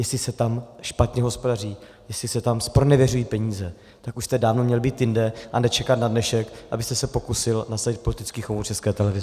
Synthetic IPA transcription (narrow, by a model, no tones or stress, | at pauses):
jɛslɪsɛt̪amʃpat̪ɲɛɦo̞spodariː | jɛslɪsɛt̪amspɾonɛvjɛrujiːpɛɲiːzɛ | t̪akuʃst̪ɛdaːvnomɲɛlbiːt̪jɪndɛʔanɛt͡ʃɛkat̪nadnɛʃɛkʔabɪst̪ɛsɛpo̞kusɪlnasavɪt̪̚po̞lɪt̪ɪt͡skiːxovut͡ʃɛskɛːt̪ɛlɛvɪz